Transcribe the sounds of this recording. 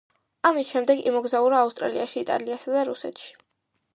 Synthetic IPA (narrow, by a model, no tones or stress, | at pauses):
amisʃɛmd̪ɛɡḭmɔɡzauɾaːust̪ʼɾa̰liaʃiːt̪ʼa̰liasad̪aɾusɛ̰t̪ʃi̥